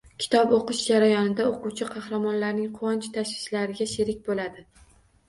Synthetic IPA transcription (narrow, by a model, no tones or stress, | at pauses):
kʲʰɪ̥t̪ʰɒpoqɨʃd͡ʒaɾajɒnɪd̪aoquwt͡ʃʰɪqʰɑhɾamɒnlaɾnɪŋqʰʊɒnt͡ʃʰt̪ʰaʃwɪ̥ʃlaɾɪɡʲaʃɪɾɪk̚ʲbolad̪ɪ